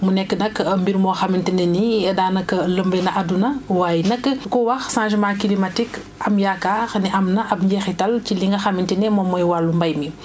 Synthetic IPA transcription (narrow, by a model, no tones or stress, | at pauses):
munɛkːənɐkmbiɾmɔːxamintinɛnidaːnɐkːələmbɛnɐʔadunɐwaːjinɐkːəkɔwɐxsãːʒɛmãːkilimatik | ɐmjakaːxniʔɐmnɐʔɐpɲɟɛxitɐlciliŋɡɐxɐmintinɛmɔmːɔjwalːumbɐjmi